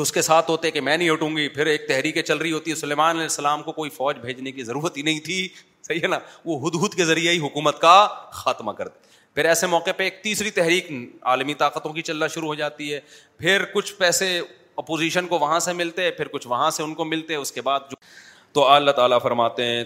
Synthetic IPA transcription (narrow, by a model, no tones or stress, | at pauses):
ʊskesaːt̪ʰɦoːt̪eɦɛkemɛ̃ːnɐɦĩoʈũːŋɡipʰɪɾeːk̚t̪ɛɦɾiːkẽt͡ʃɐlɾəiɦoːt̪iɦɛsʊleːmaːnɐlɛːsːɐlaːmkokoːifɔːd͡ʒbʱeːd͡ʒnekizɐɾuːɾət̪ɦinɐɦĩt̪ʰi | sɐɦiɦenaʋoɦʊd̪uːd̪kezɐɾieɦiɦʊkuːmət̪kaxaːt̪makɐɾd̪e | pʰɪɾɛːsemɔːqepeeːk̚t̪iːsɾit̪ɛɦɾiːka̰ːlmit̪aːqət̪õkit͡ʃɐlːaʃʊɾuɦod͡ʒaːt̪iɦɛː | pʰɪɾkʊt͡ʃʰpɛːse | ɐpoːziːʃənkoʋɐɦãsemɪlt̪eɦɛ̃pʰɪɾkʊt͡ʃʰʋɐɦãseʊnkomɪlt̪eɦɛ̃ʊskebaːd̪̚d͡ʒo | t̪oalːaɦt̪aːlafɐɾmaːt̪eɦɛ̃